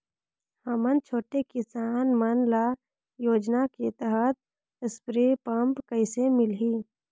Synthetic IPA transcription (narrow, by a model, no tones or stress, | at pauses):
həmənt͡ʃʰoːʈekɪsaːnmənla | joːd͡ʒnaket̪əɦət̪̚ | ɪspɾepəmpkəɪsemɪlɦiː